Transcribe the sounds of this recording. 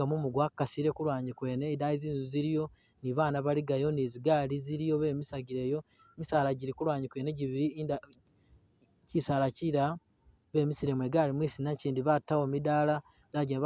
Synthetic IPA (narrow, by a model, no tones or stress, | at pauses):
amumuɡwakkːasiɾe̞kulwaːɲikwe̞ːne̞daiziːnzuziɾijo̞ | niβaːnaβaliɡajo̞niziɡaːliziɾijo̞βe̞ːmisaɡiɾe̞ːjo̞ | emisaːlaɟiɾikulwaːɲikwe̞ːne̞ɟiβiɾid | cisalaciɾa | βe̞ːmisiɾe̞mwe̞ɡaːlimwiːsinaciːndiβatːawomidala | daɟeβ